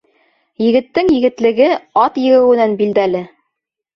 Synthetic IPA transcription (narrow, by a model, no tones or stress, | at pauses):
jɘ̆ɡɘ̆t̪ːɘŋjɘ̆ɡɘ̆t̪lɘ̆ɡɘɑt̪jɘ̆ɡɘ̆wɘ̆nænbild̪ælɘ